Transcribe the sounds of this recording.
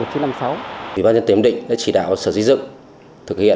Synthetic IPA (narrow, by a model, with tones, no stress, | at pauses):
t̚t͡ɕi˨˦na˧msa˨˦wʔḭ˨˩aː˧nzə˧nt̪i˨˦ə˧˦ŋ͡mɗḭ̈˧˨ŋ̟ɗa̰ː˧˥t͡ɕi˧˩ɗa̰ː˧˨wsəː˧˩zi˧˥zɨ̰˧˨ŋ | t̪ʰɨ˨˩k̚hḭ˧˨